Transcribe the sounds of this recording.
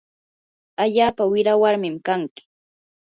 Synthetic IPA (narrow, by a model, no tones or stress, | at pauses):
aʎaːpawɪɾawaɾmɪmkaŋkɪ̥